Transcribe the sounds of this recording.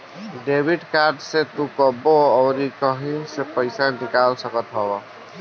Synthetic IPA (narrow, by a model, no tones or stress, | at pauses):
ɖebʱiɖkaɾɖset̪ũkɔboɔʊɾikəɦisepəɪsanikalsəkət̪ɦɔbɔ